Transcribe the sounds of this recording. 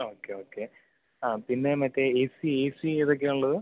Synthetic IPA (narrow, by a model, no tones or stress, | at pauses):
o̞ːkːeo̞ːkːe̞ | aːpinːe̞mɐtːeesieːsiiðok̬ːeuɭːɐðɨ